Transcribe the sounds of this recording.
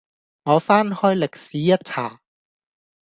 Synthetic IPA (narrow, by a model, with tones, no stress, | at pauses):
ŋɔː˨˧faː˥nhɔː˥jlɪ˨k̚siː˨˦jɐ˥t̚t͡sʰaː˨˩